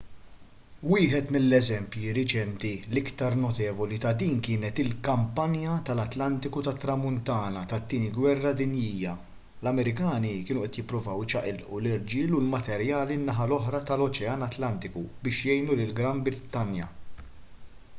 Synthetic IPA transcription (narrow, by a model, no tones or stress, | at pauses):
wɪːħɛt̪mɪlːɛzɛmpjiɾɪt͡ʃɛnt̪ilɪkt̪ɐɾnɔt̪ɛːvɔlit̪ɐd̪iːnkɪːnɛt̪ɪlkɐmpɐnjɐt̪ɐlɐt̪lɐnt̪ɪkut̪ɐt̪ːɾɐmʊnt̪ɐːnɐt̪ɐt̪ːiːniɡwɛrːɐd̪ɪnjiːjːɐ | lɐmɛɾɪkɐːnikɪːnʊʔɛt̪jɪpːɾʊvɐwt͡ʃɐʔɪlʔulɪɾd͡ʒiːlʊlmɐt̪ɛɾjɐːlinːɐɦɐlɔħɾɐt̪ɐlɔt͡ʃɛɐnɐt̪lɐnt̪ɪkubɪːʃjɛjnulɪlɡɾɐmbɾɪt̪ːɐnjɐ̰